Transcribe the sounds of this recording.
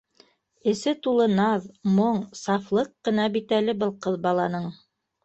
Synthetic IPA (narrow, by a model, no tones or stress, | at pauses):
ɘ̆sɘt̪ulˠɤnɑðmoɴsɑflˠɤqːɤ̆nɑbit̪ælɘbɤlˠqɤðbɑlˠɑnɤɴ